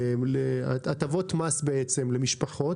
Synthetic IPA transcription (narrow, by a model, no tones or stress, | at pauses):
mleaat̪avot̪masbeet͡se̞mlemiʃpaχo̞